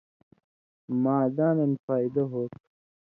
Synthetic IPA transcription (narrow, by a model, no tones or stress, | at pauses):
maːd̪aːnɐnfaːid̪ɐɦoːt̪